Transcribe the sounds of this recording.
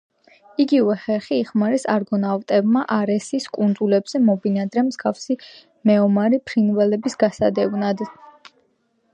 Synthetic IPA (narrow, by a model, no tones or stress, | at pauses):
iɡivɛχɛχiːχmaɾɛsaɾɡɔnavt̪ʼɛbmaʔaɾɛsiskʼund̪zulɛbz̥ɛmɔbinad̪ɾɛmzɡafsi | mɛɔmaɾipʰɾinvɛlɛbisɡasa̰d̪ɛvnad̪